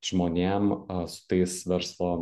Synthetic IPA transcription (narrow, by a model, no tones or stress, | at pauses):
ʒ̥moːnʲeːmsʊ̥t̪ɐɪsʋʲɛɾslˠoː